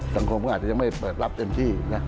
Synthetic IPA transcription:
sa˨˦ŋkʰo˧mkɔ˥ʔ̚t͡ɕa˧ja˧ma˥˩jpɤː˨˩t̪̚la˦˥p̚t̪e˧mt̪ʰiː˥˩na˦˥

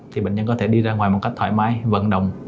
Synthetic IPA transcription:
t̪ʰi˨˩ɓḛ˧˨ŋɲə˧nkɔ˨˦t̪ʰe˧˩ɗi˧zaː˧ŋwaː˨˩jmo˨˩t̚ka˦˥k̚t̪ʰa̰ː˧˩jmaː˧jvə˨˩nɗə˨˩wŋ͡m

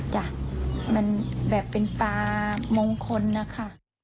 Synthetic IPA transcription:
t͡ɕa˨˩ʔma˧˥˨nbɛː˨˩pːe˨npaː˧moː˧ŋkʰo˧nːa˧˥kʰa˧˩˨ʔ

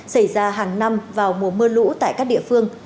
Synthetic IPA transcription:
sa˧˩jzaː˧ɦaː˨˩ŋna˧mvaː˨˩wŋu˨˩əmɨ˧əlṵ˧˥t̪a̰ː˧˨jkaː˦˥k̚ɗḭ˧˨əfɨ˧əŋ

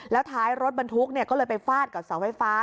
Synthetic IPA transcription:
lɛː˦˥wt̪ʰaː˦˥jɾo˦˥t̪̚ba˧nt̪ʰu˦˥k̚ni˥˩ɐkɔː˥˩lɤː˧jpa˧jfaː˥˩t̪̚ka˨˩p̚sa˨˩˦wfa˧˩jfaː˦˥

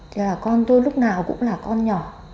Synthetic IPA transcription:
laː˨˩kɔ˧nt̪o˧jlʊ˦˥k͡p̚naː˨˩wkʊ̰˧˥ŋ͡mlaː˨˩kɔ˧nɲɔ˨˩

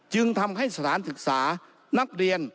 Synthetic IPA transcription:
t͡ɕɯ˧ŋt̪ʰa˧mɦa˥˩jsa˧t̪ʰaː˨˩˦nsɯ˧˩k̚saː˩˦ | na˧˥˩k̚ɾi˧ən

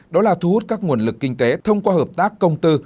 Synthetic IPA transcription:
ɗɔ˨˦laː˨˩t̪ʰu˧hu˦˥t̚kaː˦˥k̚ŋu˧˩ənlɨ˨˩kːï˧ŋ̟t̪e˨˦t̪ʰə˧wŋ͡mkwaː˧həː˨˩p̚t̪aː˦˥kːə˧wŋ͡mt̪ɨ˧

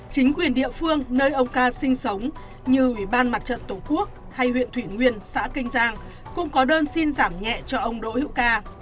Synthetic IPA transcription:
t͡ɕï˨˦ŋ̟kwi˨˩ənɗḭ˧˨əfɨ˧əŋnəː˧jʔə˧wŋ͡mkaː˧sï˧ŋ̟sə˨˦wŋ͡m | ɲɨ˧ʔwi˧˩ɓaː˧nma˨˩t̚t͡ɕə̰˧˨nt̪o˧˨˩ku˦˥ək̚ | ha˧jhwḭ˧˨ənt̪ʰwi˧˩ŋwi˧ənsa̰ː˧˥kï˧ŋ̟zaː˧ŋ | kʊ̰˧˥ŋ͡mkɔ˨˦ɗəː˧nsi˧nzaː˧˩mɲɛ̰˧˨t͡ɕɔ˧ʔə˧wŋ͡mɗo̰˧˥hḭ˧˨əwkaː˧

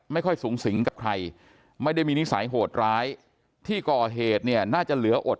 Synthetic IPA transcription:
ma˥˩jkʰɔ˥˩jsuː˩˦ŋsi˩˦ŋka˨˩p̚kʰɾa˧j | ma˥˩jda˥˩jmiː˧ni˦˥saː˩˦jɦoː˨˩t̪̚ɾaː˦˥j | t̪ʰiː˥˩kɔː˨˩ɦeː˨˩t̪̚ni˥˩ɐnaː˥˩t͡ɕa˨˩lɯ˩˦ɐʔo˨˩t̪̚

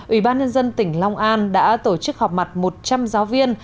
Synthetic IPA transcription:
ʔwḭ˧˩ɓaː˧nɲə˧nzə˧nt̪ï˧˩ŋ̟la˧wŋ͡mʔaː˧nɗa̰ː˧˥t̪o˧˩t͡ɕɨ˦˥k̚hɔ˨˩k͡p̚ma˨˩t̚mo˨˩t̚t͡ɕa˧mzaː˨˦wvi˧ən

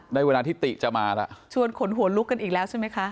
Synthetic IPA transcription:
na˥˩jwa˧nːlaː˧t̪iː˥˩t̪i˨˩ʔt͡ɕa˨˩maː˧la̰˧˩ʔt͡ɕʰu˧ənkʰo˩˦nɦu˨˩˦nlu˦˥kːa˧nʔiː˨˩k̚lɛː˦˥wt͡ɕʰa˥˩jma˦˥jkʰa˦˥ʔ

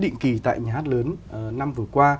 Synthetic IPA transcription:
ɗḭ˧˨ŋ̟ki˨˩t̪a̰ː˧˨jɲaː˨˩haː˦˥t̚ləː˨˦n˨˩na˧mvɨ˨˩əkwaː˧

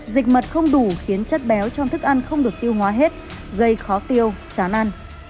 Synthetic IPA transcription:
zï˨˩k̟̚mə˨˩t̚xə˧wŋ͡mɗu˧˩xi˨˦ənt͡ɕə˦˥t̚ɓɛ˨˦wt͡ɕɔ˧wŋ͡mt̪ʰɨ˦˥k̚ʔa˧n̟xə˧wŋ͡mɗɨ˨˩ək̚t̪i˧əwɦwaː˨˦ɦe˦˥t̚ | ɣə˧jxɔ˨˦t̪i˧əwt͡ɕaː˨˩nʔa˧n

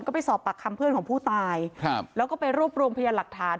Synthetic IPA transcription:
nkɔː˥˩pa˨˩jsɔː˨˩pːa˨˩kʰːa˧mpʰɯ˥˩ənkɔː˩˦pʰuː˥˩t̪aː˧jlɛː˦˥kɔː˥˩pa˧jɾuː˥˩p̚ɾu˧mpʰjaː˧la˨˩k̚t̪ʰaː˩˦

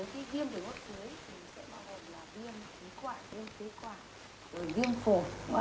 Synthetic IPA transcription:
əː˨˦jkaː˨˦vi˧əmɗɨ˧˩əŋo˦˥t̚kɨ˨˦əjmï˨˩ŋ̟sɛ̰˧˥ɓaː˧wɦo˨˩nlaː˨˩vi˧əmki˨˦kwaː˧˩vi˧əmt̪ʰe˨˦kwaː˧˩ | zo˨˩jvi˧əmfo˨˩˧

